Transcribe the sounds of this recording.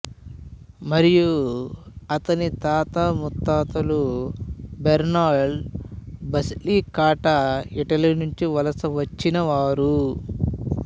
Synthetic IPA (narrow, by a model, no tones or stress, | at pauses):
mɐɾiju | ɐt̪ɐnit̪aːt̪amut̪ːaːt̪ɐlu | beɾnaːɖ | bɐsliːkaːʈɐiʈɐlinuɲt͡ʃiʋɐlɐsɐʋɐt͡ʃːinɐʋaːɾu